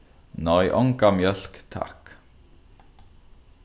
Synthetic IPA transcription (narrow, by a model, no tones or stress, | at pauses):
nɔʏʔɔŋkamjœlkt̪ʰɑ̰k